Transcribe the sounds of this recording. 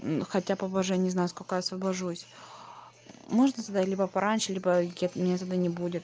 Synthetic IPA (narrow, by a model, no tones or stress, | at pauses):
xɐtʲapɐboʐɨjanʲɪznajʊskolʲkəjaɐsvəbɐʐusʲ | moʐnət̪ɐd̪atlʲibəpɐɾʔanʲʂɨlʲibəɡʲet̪mʲnʲet̪ɐd̪ɨnʲɪbudʲɪt̪